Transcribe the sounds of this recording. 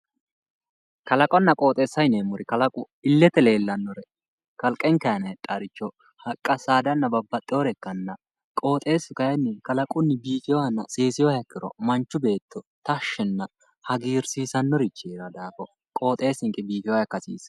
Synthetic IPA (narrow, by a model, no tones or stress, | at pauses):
kɐlɐkʼɔnːɐkʼo̞ːt̪ʼeːsːɐjneːmʊɾɪkɐlɐkʼʊ | ɪlːɛt̪ɛle̞ːlːɐnːɔɾɛ | kɐlkʼːɛŋkɐjɐnɐt̪ʼːɐɾɪt͡ʃːɔ | hɐkʼːɐsaːd̪ɐnːɐbɐbːɐt̪ʼːɪjɔɾɛkːɐnːɐ | kʼo̞ːt̪ʼe̞ːsɪkɐjɛnːɪkɐlɐkʼʊnːɪbiːfɪjɔhɐnːɐsʼeːsɪjɔjɐkːɪɾɔ̰mɐnt͡ʃːʊbe̞ːt̪ːɔt̪ɐʃːɛnːɐ | hɐɡiːɾsiːsɐnːɔɾɪt͡ʃːeːɾɐd̪aːbɔ | kʼo̞ːt̪ʼe̞ːsɪŋkʼːɪbiːfɪjɔjɐkːɐsḭːs